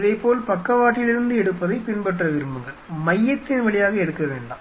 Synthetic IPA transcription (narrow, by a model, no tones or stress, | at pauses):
ðɐɪpːoːlpɐkːɐʋaːʈːɪlɪɾɯnd̪ɯɛɽɯpːɐðɐɪpɪnbɐʈrɐʋɪɾɯmbɯŋɡɐɭmɐjːɐt̪ːɪnʋɐɭɪjaːɣɐɛɽɯkːɐʋeːɳɖa̰ː